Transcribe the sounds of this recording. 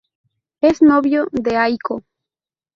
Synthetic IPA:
eznoβjoðeajko

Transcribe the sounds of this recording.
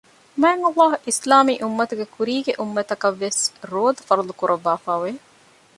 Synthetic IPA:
mæːŋɐlːaːɦuʔislaːmiːʔumːɐt̪uɡekuɾiːɡeʔumːɐt̪ɐkɐʋːesɾoːd̪ɐfɐɾulukuɾʔɐʋːaːfaːʋe

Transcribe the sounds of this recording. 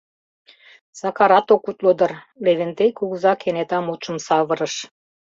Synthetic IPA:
sɑkɑɾɑt̪okut̪lod̪ɤ̆r | leβĕnt̪ejkuɣuzɑkʰenet̪ɑmut͡ʃə̆msɑβə̆ɾə̆ʃ

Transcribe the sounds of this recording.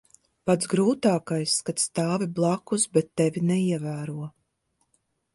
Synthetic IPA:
pat̪zɡɾuːt̪aːkajskat̪st̪aːviblˠakusbɛt̪ːɛvʲinɛiɛvæːɾuɔ

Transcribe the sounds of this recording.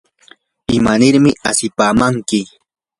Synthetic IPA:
ɪmanɪɾmɪasɪpaːmaŋkɪ

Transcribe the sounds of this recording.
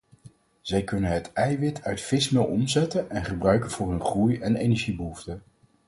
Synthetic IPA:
z̥ɛjkɵnənɦətɛjʋɪtʰœɥtfɪsmɪlˠɔmzɛtənɛnχəbrœɥkənvʊːɹɦɵnχrujɛnejnɛɹʒibəɦuftə

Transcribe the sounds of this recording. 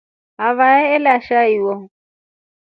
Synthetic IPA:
avaɛɛlaʃaiwɔ

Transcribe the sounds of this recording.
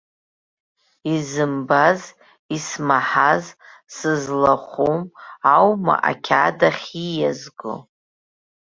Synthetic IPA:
izɨmbaz | ismaħazsɨzlaχʷumawma̰ʔa̰kʲʰadaχʲijazɡo̰

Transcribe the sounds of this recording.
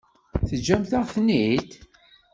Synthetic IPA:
θəd͡ʒːæmθaʁθnit̪

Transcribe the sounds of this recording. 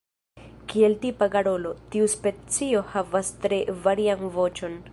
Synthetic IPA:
kie̞ltipaɡaɾo̞lo̞tiuspe̞t͡sio̞havastɾe̞vaɾianvo̞t͡ʃo̞n

